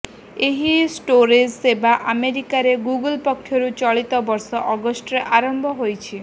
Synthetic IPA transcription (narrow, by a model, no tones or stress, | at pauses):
eɦisʈoɾed͡ʒebaʔameɾikaɾeɡuɡəlpɔkʰːjɔɾut͡ʃɔɭit̪ɔbɔɾsɔʔɔɡɔsʈɾeʔaɾɔmbʱɔɦojt͡ʃʰi